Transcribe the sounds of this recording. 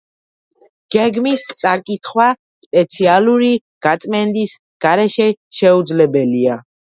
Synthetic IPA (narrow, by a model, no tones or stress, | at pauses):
ɡ̥ɛɡmist̪sʼakʼit̪ʰχwa | spʼɛt̪sʰialuɾi | ɡ̥at̪sʼmɛnd̪is | ɡ̥aɾɛʃɛʃɛud̪zlɛbɛlia